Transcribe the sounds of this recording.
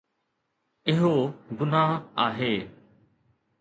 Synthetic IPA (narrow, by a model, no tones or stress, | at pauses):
ɪɦoːɡʊnaːɦa̰ːɦeː